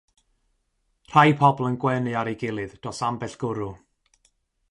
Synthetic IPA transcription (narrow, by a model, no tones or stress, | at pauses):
r̥ajpʰɔblˠənɡwɛnɨaɾeɡɪlˠɨðd̥ɔsambɛɬɡ̥ʊɾu